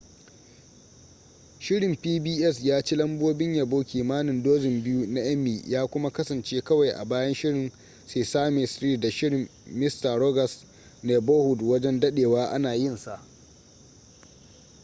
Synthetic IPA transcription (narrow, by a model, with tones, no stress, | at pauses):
ʃɪ˦ɾɪ˨mpiː˦biː˦ʔɛ˦sjaː˦t͡ʃi˦lɐ˦mboː˦bɪ˦ɲja˨boː˦kʲiː˨maː˦nɪ˨ndoː˦zɪ˨mbɪ˦ju˦na˦j̰ɐ˦mːiː˨jʔaː˦kʷʊ˦ma˦kɐ˦sɐ˨nt͡ʃeː˦kɐ˦wa˨jʔa̰˨baː˦jɐ˦nʃɪ˦ɽɪ˨n | seː˨saː˦me˨sɾiː˦da˨ʃɪ˦ɽɪ˨mːɪ˦sta˨ɾo˦ɡɐ˨s | ne˨boː˦hʊ˨dwɐ˦d͡ʒɛ˦ndɐ˦ɗeː˨waː˦ʔa̰˦naː˨jɪ˦nsa˨ʔ